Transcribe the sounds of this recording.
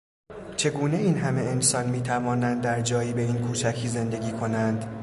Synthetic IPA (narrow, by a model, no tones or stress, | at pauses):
t͡ʃʰe̞ɡuːne̞iːnɦæme̞ensɒnmiːt̪ʰævɒːnænd̪dːæɾd͡ʒɒːjiːbe̞iːnkʰuːt͡ʃʰæcʰiːze̞nd̪eɡʲiːkʰo̞nænd̪̥